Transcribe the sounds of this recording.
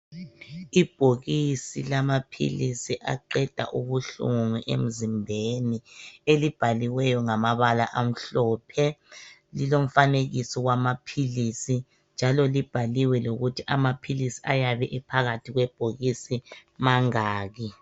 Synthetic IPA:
ib̥ʱoɣisḭlamapʰḭlisiʔa̰ǃɛd̥ʱa̰ʔuɣuɬṵŋuʔḛm̩zimbʱenielib̥ʱaliwɛjɔŋamaβalaʔam̩ɬɔːpʰɛlilom̩faneɣisɔwamapʰiliːsi | nd͡ʒʱalɔlib̥ʱaliwɛloɣutʰiʔamapʰilisiʔajaβɛʔipʰaɣatʰiɣwɛb̥ʱoɣisimaŋaːɣi

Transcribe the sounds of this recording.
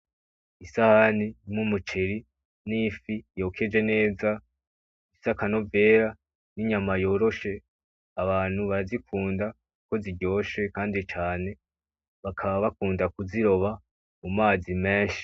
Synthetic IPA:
isahanimŋumut͡ʃeɾi | nifijo̞ːkʰe̞d͡ʒe̞ne̞ːza | isakano̞ve̞ːɾa | niɲamajo̞ːɾo̞ʃe̞ | aβaːn̥huβaɾazikʰuːnda | kuko̞ziɟo̞ːʃe̞kaːndit͡ʃaːne̞ | βakʰaβaβakuːndakuziɾo̞βa | mumaːzime̞ːʃi̥

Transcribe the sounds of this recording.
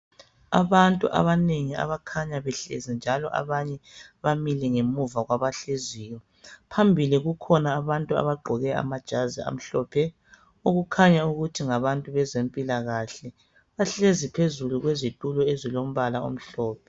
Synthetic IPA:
a̰βantʼṵʔa̰βaneŋia̰βakʰaɲaβɛɬɛ̰zind͡ʒʱalɔ̰ʔa̰βaɲɛβamilɛŋemuvaɣwaβaɬeziːjɔ | pʰambʱiliɣukʰɔnaːβantʼua̰βaɡ͡ǃʱɔɣɛa̰mad̥ʒ̥ʱazia̰m̩ɬɔːpʰɛ | uɣukʰaɲauɣutʰiŋaβantʼuβɛzempʼilaɣaɬɛ | βaɬezipʰezuluɣwezitʼulɔezilom̩βalao̰m̩ɬɔːpʰɛ

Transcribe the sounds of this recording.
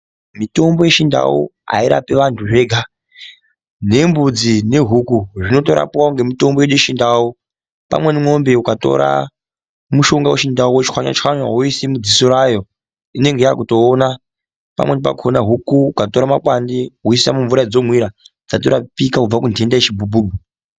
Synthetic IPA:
mito̞mbo̞je̞ʃinda̰ṵa̰iɾa̰piʋantʰuʐe̞ɡʱa | ne̞mbud͡zine̞ɦukuʐino̞to̞ɾa̰puwauŋɡe̞mito̞mboeɗujeʃindau | pa̰mwe̞nimŋo̞mbe̞ukato̞̰ɾa̰ | muʃo̞ŋɡaweʃindauwet͡ʃi̥xwaɲwa̰t͡ʃxaɲaɦuisimud͡zisoɾajo̞ | ine̞ŋɡejakuto̞ːna | pa̰mwenipa̰kuonaɦukuːkato̞ɾamakwandiɦuis̬isamuɱvuɾad͡zo̞mwiɾad͡zatoɾapikaub͡vakundʱendaet͡ʃibubuːbu

